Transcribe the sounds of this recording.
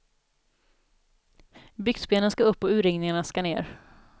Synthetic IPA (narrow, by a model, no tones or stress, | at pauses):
bʏɡsbeːnənskaɵpːɔʉ̟ːɾɪŋnɪŋaɳaskanḛːɾ